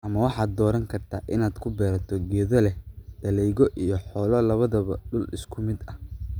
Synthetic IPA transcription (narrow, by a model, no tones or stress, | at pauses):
ʔɐmɐwɑħɑːd̪ːɔːɾɐŋkʰɐrt̪ʰa̰ːʔɪnaːd̪kʰʊbɛːɾɐt̪ʰɔɡɛːðɔlɛd̪̥ɐlɛjɣɔʔijɞħɔːlɐlɐβɐðɐβɐ̰ɖʊlɪskʰʊmɪd̪ɐh